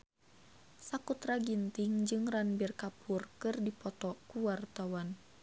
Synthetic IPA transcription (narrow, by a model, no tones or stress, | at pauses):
sakut̪ɾaɡint̪iŋd͡ʒɨŋranbirkapʰurkɨrdipɔt̪ɔkuwart̪awan